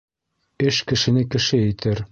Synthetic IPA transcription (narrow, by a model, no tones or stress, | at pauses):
ɘʃkɘ̆ʃɘ̆nɘkɘ̆ʃɘɘ̆t̪ʰɘɾ